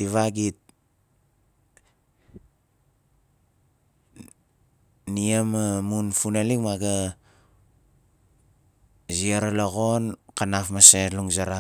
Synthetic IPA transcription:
tiβaɡit̚ | niemamunfunelikmaɡa | ziaɾalaɣonkanafmaseluŋzaɾa

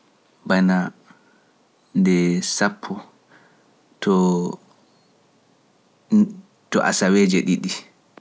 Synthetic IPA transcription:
bana | ndɛsapʰːɔ | tʰɔ | tɔ̰ʔa̰sawɛd͡ʒɛɗiɗi

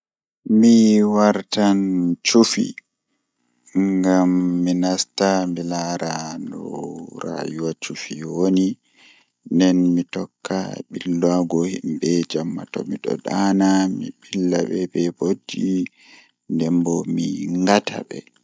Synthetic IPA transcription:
miwaɾtant͡ʃufḭ | ŋɡamːinastambilaɾandɔɾa̰juwat͡ʃufiwoni | ndɛnmitɔkːa̰ɓilːaɡɔhimbɛd͡ʒamːatɔ̰miɗɔ̰ɗanamiɓilːaɓɛbɛbodːi | ndɛmbɔmiŋŋɡatʰa̰ɓɛ̰

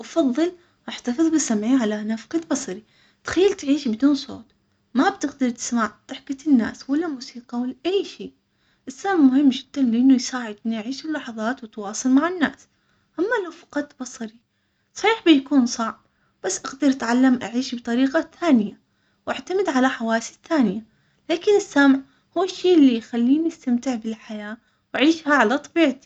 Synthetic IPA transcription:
ʔɑfɑðˤːɨl | ʔaħt̪ɑfɨðˤbɪsamʕiʕalaʔnafqɑd̪bɑsˤɑɾi | t̪xajːalt̪ʕiːʃbɪd̪uːnsˤo̰ːt̪ | mabt̪ɪɡd̪ɑɾt̪ɪ̥smaʕt̪ɪħkat̪ɪnːa̰ːswalːamuːsiːqɑwalːaʔajːʃiː | ʔɪsːamʕmʊhɪmːd͡ʒɪd̪̥ːanlʔɪnːʊjsaːʕɪd̪ʔɪnːiʔaʕiːʃɪlːɑħɑðˤɑːt̪wɪt̪wɑːsˤɨlmaʕɪnːa̰ːs | ʔamːalawfɑ̥qɑt̪ˤːbɑsˤɑɾi | sˤɑ̥ħiːħbɪjakuːnsˤɑʕb̚ | b̥asːʔaɡd̪ɪɾʔat̪ʕalːamʔaʕiːʃbɨt̪ˤɑɾiːqɑθaːnɪja | wʔaʕt̪amɪd̪ʕalaħawaːsi̥θaːnɪja | laːkɪnɪsːamʕ | huːɪʃːiːʔɪlːijxalːiːniɪst̪amt̪ɪʕbɪlħajaː | waʕiːʃhaʕalat̪ˤɑbiːʕt̪i̥

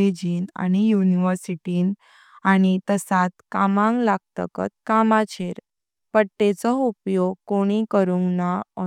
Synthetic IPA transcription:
ed͡ʑiːna̰ñijuniʋəɾsiʈiːn | aɽ̃it̪əsat̪kamãŋɡlaɡ̚t̪ə̰kə̰t̪̚kamat͡ɕʰeɾ | pəɽʈet͡sɔupjoɡkoɽ̃ikəɾũŋɡnaɔ

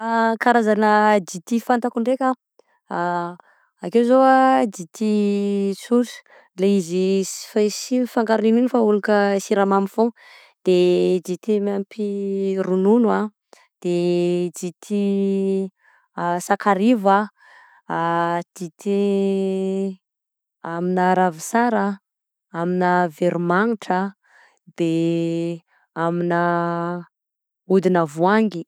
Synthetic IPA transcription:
akaɾazanəd͡ʒit̪ifant̪akuɳɖ͡ʐekʲa | akezoad̪it̪isuʈ͡ʂ | leizifasifaŋɡaɾunininifaulukəsiɾamamifoŋ | d̪̥ed͡ʒit̪imampirununua | d̪̥ed͡zit̪ʰi | sakaɾiva | d͡zit̪i | aminəɾavisaɾa | aminəveɾumaŋiʈ͡ʂə | d̪̥e | aminə | ud̪inəvuaŋɡi

